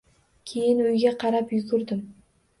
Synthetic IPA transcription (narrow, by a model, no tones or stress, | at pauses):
kʲʰe̞jɪnʊjɡʲaqʰɑɾapjʊɡʲʊɾd̪ɪm